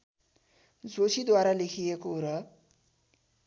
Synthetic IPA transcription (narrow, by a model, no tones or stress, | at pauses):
d͡zosid̪waɾalekʰijekoɾʌ